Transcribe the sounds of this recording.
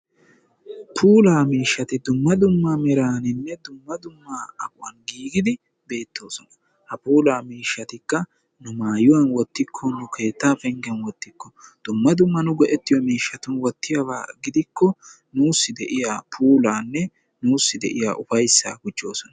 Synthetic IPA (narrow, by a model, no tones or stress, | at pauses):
pʰuːlaːmiːʃːɐt̪ɪd̪ʊmːɐd̪ʊmːamɛɾaːnɪnːɛd̪ʊmːɐd̪ʊmːaːɐkʊwɐnɡiːɡɪd̪ɪ | be̞ːt̪ʰːo̞ːsɔnɐ | hɐpuːlaːmiːʃːɐt̪ɪkːɐ | nʊmaːjʊwɐnwɔt̪ːɪkʰːɔnʊkʰe̞ːt̪ːaːfɛŋɡɛnwɔt̪ːɪkːɔd̪̥ʊmːɐd̪ʊmːɐnʊɡɔʔɛt̪ːɪjɔmiːʃːɐt̪ʊnwɔt̪ːɪjɐwaːɡɪd̪ɪkʰːɔ | nuːsːɪd̪ɛʔɪjaːpʰuːlaːnːɛ | nuːsːɪd̪ɛʔɪja̰ːʔʊfɐjsːa̰ːɡʊd͡ʒːo̞ːsɔnɐ